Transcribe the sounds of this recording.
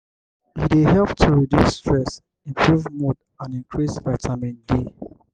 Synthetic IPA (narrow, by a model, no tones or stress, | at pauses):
hiteɦɛlptʰuɹidjusːtɹɛs | ĩmpʰɹuvmod | ãnĩŋkʰɹisvatʰamĩnde